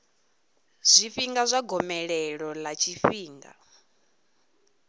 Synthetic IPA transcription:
z̥ʷifiŋɡazʷaɡɔmɛɺɛɺɔlat͡ʃʰifiːŋɡa̰

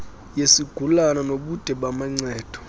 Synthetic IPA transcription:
jesiɡ̥ʱulananoɓud̥ʱɛɓamaŋ͡ǀɛːd̥ʱɔ̥

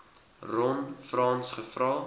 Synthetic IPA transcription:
rɔnfrɑːnsχəfrɑː

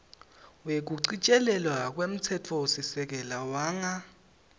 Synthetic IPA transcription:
wek̬uǀit͡ʃʼɛlɛlwak̬ʼwem̩tʰɛtʰɔsisɛk̬ʼɛlawaːŋa

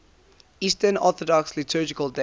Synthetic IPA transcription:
istənɔ̰θɔdɔkslitʰɜːd͡ʒɪkəlˠde

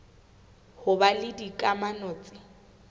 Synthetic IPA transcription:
hʊbalɪdikʼamanɔːt͡sʼɪ

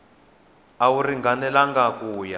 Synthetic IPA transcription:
awuriŋɡanɛlaŋɡakuːja

